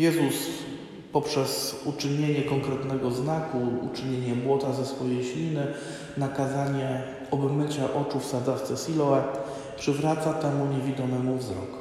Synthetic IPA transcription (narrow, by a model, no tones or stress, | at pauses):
jɛzus | pɔpʂɛz̥ut͡ʂɘɲeɲɛkɔŋkɾɛt̪nɛɡɔznakuṵt͡ʂɘɲeɲɛbwɔt̪azɛsfɔjejɕlʲinɘ | nakazaɲɛ | ɔbmɘt͡ɕaʔɔt͡ʂufsad̪zaft̪sɛsʲilɔɛ | pʂɘvɾat̪sat̪ɛmuɲevʲid̪ɔmɛmuvzɾɔ̰k